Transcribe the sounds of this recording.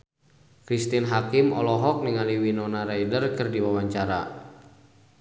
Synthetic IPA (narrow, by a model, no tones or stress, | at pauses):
kɾist̪inɦakimɔ̰lɔɦɔk̚niŋaliwinɔnaɾajdərkɨrdiwawaɲt͡ʃaɾa̰